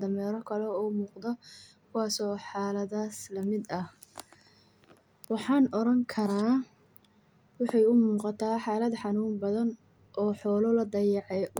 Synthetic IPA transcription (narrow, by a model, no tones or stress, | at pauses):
d̪ɐmɛːɾɔkʰɐlɛuːmuːqd̪ɔkʰʊwɑːsɔːħɑːlɐðaːslɐmɪd̪ɐh | wɑħɑːnɔɾɐŋkʰɐɾaː | wɑħɑjʊmuːqɑt̪ʰaːħaːlɐd̪ħɑnuːmbɐðɐn | ʔɔːħɔːlɔlɐd̪ɐjɑʕɛ